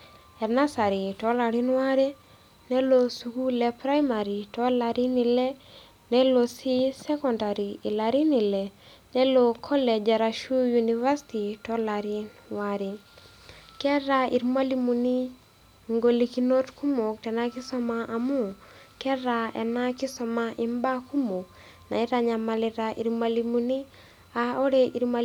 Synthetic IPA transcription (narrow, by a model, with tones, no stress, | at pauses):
ɛ˨na˦sa˨ɾi˨tɔ˦la˨ɾinwa˦ɾɛ˦ | nɛ˦lo˨su˨ku˦lɛ˨pɾa˦jma˨ɾi˨tɔ˦laɾi˦ni˨lɛ˦ | nɛ˦lo˨si˦sɛ˦kɔnda˨ɾiː˨laɾi˦ni˨lɛ˨ | nɛ˦lo˨kʰɔ˦lɛ˨d͡ʒa˨ɾaʃu˦juniva˦si̥ti˨tɔ˦la˨ɾi˦nwaɾi˨ | kɛ˦ɾa˨i˨ɾimwa˦limu˨ni˦ | ŋɡo˨li˨kino˦tkʰu˦mo˨k̚tɛ˨na˦ki˦sɔ˦maʔamu˦˨ | kɛ˦ɾa˨ɛ̰˨na˦ki˦sɔ˨maʔi˦mba˦ku˦mo˨k | na̰˨i˦ɾaɲa˨maliɾaʔḭ˨ɾimwa˨limuni˦ | ao˦ɾe˦ʔi˨ɾma